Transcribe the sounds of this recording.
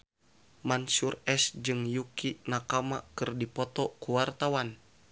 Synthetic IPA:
mansurɛsd͡ʒɨŋjukinakamakɨrdipɔt̪ɔkuwart̪awan

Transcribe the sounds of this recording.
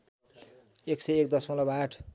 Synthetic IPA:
eksʌjek̚d̪ʌsmʌlabʱaʈʰ

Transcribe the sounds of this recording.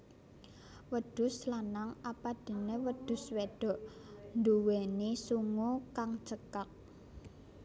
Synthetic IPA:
wəd̪̥ʊ̤slanaŋapad̥i̤newəd̪̥ʊ̤sweɖ̥ɔ̤ʔnd̪uwenisuŋukaŋt͡ʃəkak̚

